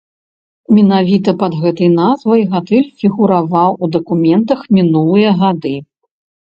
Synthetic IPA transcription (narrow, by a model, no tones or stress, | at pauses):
mʲɛnavʲit̪ɐpɐd̪ɣɛt̪ɐjnazvɐjɣat̪ɨlʲfʲiɣuɾavawud̪ɐkumʲɛnt̪ɐxmʲinulˠɨjɐɣad̪ɨ